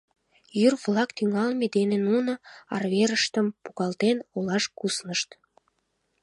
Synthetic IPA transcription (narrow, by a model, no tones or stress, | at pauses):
jyrβlɑkt̪yŋɑlmed̪enenunəɑ̰rβeɾəʃt̪əmpuɣɑlt̪enolɑʃkusnəʃt̪